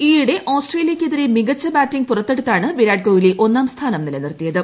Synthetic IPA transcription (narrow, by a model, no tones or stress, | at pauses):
iːjuɽe̞ʔoːsʈreːlijɐkʲːeðiɾemiɡɐt͡ɕːɐbaːtːiŋɡ̚purɐt̪ːe̞ɽut̪ːaːɳɨbiɾaːɖ̚koːʋileʔo̞nːaːmst̪ʰaːnɐmnilɐnirt̪ːijɐðɨ